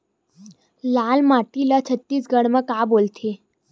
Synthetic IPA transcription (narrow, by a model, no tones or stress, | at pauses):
lalmaʈilat͡ɕʰət̪ːiːsɡəɽməkabolt̪ʰe